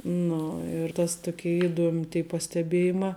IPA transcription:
ˈnʊ ɪr tɐs ˈtoːkʲeː ɪˈduɔmʲ tʲeː pɐsʲtʲɛˈbʲeːjɪmɑː

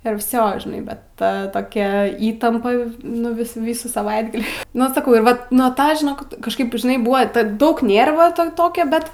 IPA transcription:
ɪr ˈʋʲsʲoː ʒʲɪˈnɐɪ bʲɛt ˈtɐ toːˈkʲɛ ˈiːtɐmpɐ nʊ ˈʋʲɪs ˈʋʲiːsuː sɐˈʋɐɪdɡɐlʲiː nʊ sɐˈkɐʊ ɪr ˈʋɐt nuɔ ˈtɑː ʒʲɪˈnoːk kɐʃˈkɐɪp ʒʲɪˈnɐɪ ˈbʊʋɐ tɐt ˈdɐʊk ˈnʲeːrʋɐ ˈtɐ ˈtoːkʲɛ ˈbʲɛt

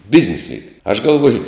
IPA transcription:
ˈbʲɪzʲnʲɪs ˈʋʲiːk ɐʃ ɡɐlˠˈʋuɔjʊ

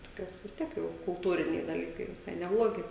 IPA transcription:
toːˈkʲoːs ʋʲɪs ˈtʲiɛk jɛʊ kʊlˠˈtuːrʲɪnʲɛɪ dɐˈlʲiːkɐɪ ʋʲɪˈsɐɪ nʲɛˈblˠoːɡʲɪ

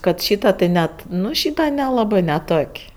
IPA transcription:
ˈkɐt ˈʃʲiːtɐ tɐɪ ˈnʲɛt ˈnʊ ˈʃʲiːtɐ nʲɛˈlˠɑːbɜ nʲɛˈtoːkʲ

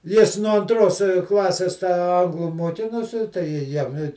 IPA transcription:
ˈjɪs nuɔ ɐnˈtroːs ˈklˠɑːsʲeːs tɑː ˈɐŋɡlˠʊ muɔˈkʲɪnoːsʲɪ tɐɪ ˈjɪ ˈjɛm ɪ

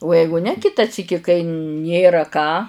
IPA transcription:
oː ˈjɛɪɡʊ nʲɛ ˈkʲɪtɐ ˈsʲiːkʲɪ kɐɪ ˈnʲeːrɐ kɑː

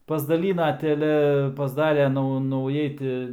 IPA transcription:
pɐzdɐˈlʲiːnɐ tʲɛˈlʲɛ pɐzˈdɑːrʲeː ˈnɐʊ nɐʊˈjɛɪ tʲɪ

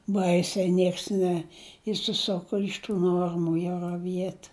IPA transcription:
ˈbɐɪsʲɛɪ ˈnʲiɛks nʲɛɪʃʲsʲɪˈsʊkʊ ɪʃ ˈtuː ˈnuɔrmʊ jɛʊ rɐˈʋʲiɛt

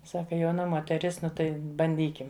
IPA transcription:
ˈsɑːkɐ jɛʊˈnɐ moːtʲɛˈrʲɪs ˈnʊ tɐɪ bɐnʲˈdʲiːkʲɪm

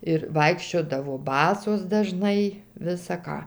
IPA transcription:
ɪr ˈʋɐɪkʃʲt͡ʃʲoːdɐʋoː ˈbɑːsoːs dɐˈʒnɐɪ ˈʋʲɪsɐ ˈkɑː

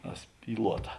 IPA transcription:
ɐ ˈsʲpʲiːlˠuɔtɐ

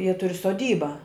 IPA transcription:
jiɛ ˈtʊrʲɪ soːˈdʲiːbɐ

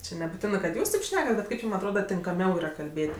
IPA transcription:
ˈt͡ʃʲɪ nʲɛbʊˈtʲɪnɜ kɐt ˈjuːs tɐɪp ˈʃʲnʲæːkɐt bʲɛt ˈkɐɪp ˈjuːm ɐtˈroːdɐ tʲɪŋkɐˈmʲɛʊ iːˈrɐ kɐlʲˈbʲeːtʲ

